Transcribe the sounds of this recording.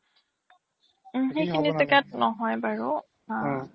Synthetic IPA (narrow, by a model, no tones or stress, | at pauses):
xejkʰinitʊkɛt̚nɔɦɔjbaɹu | a